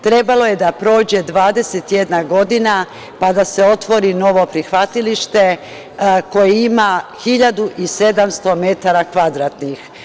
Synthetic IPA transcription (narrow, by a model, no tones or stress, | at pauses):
t̪ɾe̞balo̞je̞d̪apɾo̞ːd͡ʑe̞d̪ʋaːd̪e̞set̪jed̪naɡo̞d̪ina | pad̪ase̞o̞t̪ʋo̞ɾino̞ʋo̞pɾixʋat̪iliʃt̪e̞ | ko̞jiimaxiʎad̪uʔise̞d̪amst̪o̞me̞t̪aɾakʋad̪ɾaːt̪nix